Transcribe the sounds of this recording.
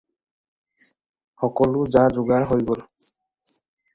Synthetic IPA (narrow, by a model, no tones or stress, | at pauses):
xɔkɔlʊzazʊɡaɹɦojɡol